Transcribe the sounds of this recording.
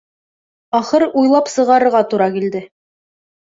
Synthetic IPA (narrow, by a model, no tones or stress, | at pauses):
ɑχɤɾujlˠɑpsɤ̆ʁɑɾɤ̆ɾʁɑt̪uɾɑkild̪ɘ